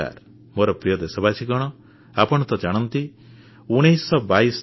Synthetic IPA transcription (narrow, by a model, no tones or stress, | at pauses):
a̰ɾ | moɾɔpɾijɔd̪esɔbat͡ʃiɡɔɽ̃ɔ | apɔɽ̃t̪ɔd͡ʒaɽ̃ɔnt̪i | uɽ̃ejsɔbajs